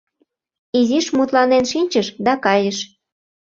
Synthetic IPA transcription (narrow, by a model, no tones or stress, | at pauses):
iziʃmut̪lɑnenʃinʲt͡ɕəʃd̪ɑkɑjəʃ